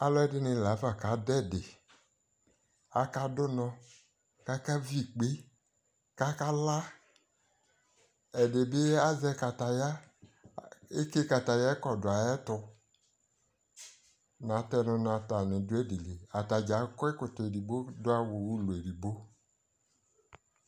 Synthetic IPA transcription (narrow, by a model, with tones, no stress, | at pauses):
a˨lɔ˦ɛ˦dɪ˦nɪ˧˨la˨˦fa˨ka˨˦dɛ˦˨dɪ˨ | a˦ka˦dʊ˦nɔ̃˧ | ka˦ka˦vi˦˨k͡pe˦ | ka˦ka˦la˦ | ɛ˨dɪ˨bɪ˦a˦zɛ˧ka˨ta˨ja˦ | e˦ke˦ka˨ta˨ja˦ɛ˦kɔ˨dʊ˨a˨ɛ˦tʊ˧ | na˨˦tɛ˧nʊ˧na˨ta˨nɪ˨dʊ˦ɛ˦di˨le˨a˨ta˨d͡ʒa˨˦kɔ˦ɛ˦kʊ˨tʊ˨e˨di˨bo˦dʊ˦a˦wʊ˨wu˦lʊ˨e˨ɾi˨bo˦